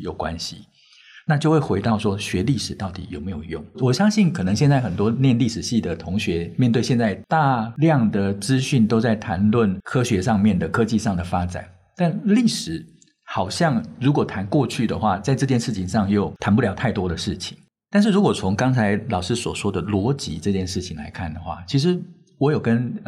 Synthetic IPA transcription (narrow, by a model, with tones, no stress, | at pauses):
jo˨˩ʊkwa̰˦˥nɕi˨ | na˥˧t͡ɕjo˥˧ʊxwe˥˩ɪxwe˧˥ɪt̪ɑ˥˧ʊʂwɔ˥ɕɥɛ˧˥li˥˩ʂɻ̩˨˩t̪ɑ˥˩ʊt̪i˨˩jo˨˩ʊme˧˥jo˨˩ʊjʊ˥˩ŋwɔ˨˩ɕjɑ˥ŋɕi˥˩nkʰɤ˨˩nɤ˧˦ŋɕjɛ˥˧nt͡sa˥˩ɪxə˨˩nt̪wɔ˥njɛ˥˧nli˥˩ʂɻ̩˨˩ɕi˥˩d̪ə˩t̪ʰʊ˧˥ŋɕɥɛ˧˥mjnt̪we˥˧ɕjɛ˥˧t͡sa˥˧ɪt̪a˥˧ljɑ˥˨˩ŋd̪ə˩t͡sɹ̩˥ɕy˥˩nt̪o˥ʊt͡sa˥˩ɪt̪ʰa˧˥nlwə˥˩nkʰɤ˥ɕɥɛ˧˥ʂɑ˥˧ŋmjɛ˥˩nd̪ə˩kʰɤ˥t͡ɕi˥˧ʂɑ˥˩ŋd̪ə˩fa˥ʈ͡ʂa̰˨˩˦n | t̪a˥˩˧nli˥˩ʂɻ̩˨˩˦ | xɑ˨˩ʊɕjɑ˥˩ŋɻu˧˥kwɔ˨˩t̪ʰa˧˥nkwɔ˥˧t͡ɕʰy˥˩d̪ə̰˩xwa˥˩t͡sa˥˧ɪʈ͡ʂɤ˥˧t͡ɕjɛ˥˧nʂɻ̩˥˩t͡ɕʰi˨˦ŋʂɑ˥˧ŋjo˥˩ʊt̪ʰa˨˧˥npu˥˩ljɑ˧˥ʊtʰa˥˩ɪt̪wɔ˥d̪ə˨ʂɻ̩˥˩t͡ɕʰi˨˩˦ŋ | t̪a˥˧nʂ̬ɻ̩˥˩ɻu˧˥kwɔ˨˩t͡sʰʊ˧˦˥ŋkɑ˥ŋt͡sʰa˧˥ɪlɑ˨˩ʊʂɻ̩˥swɔ˨˩ʂwɔ˥d̪ə˨lwɔ˧˥t͡ɕi˧˥ʈ͡ʂɤ˥˧t͡ɕjɛ˥˧nʂɻ̩˥˩t͡ɕʰi˨˩ŋla̰˧˥ɪkʰa˥˩nd̪ə˩xwa̰˥˩t͡ɕʰi˧˥ʂ̬ɻ̩˧˦ | wɔ˧˥jo˨˩ʊkə˦˥n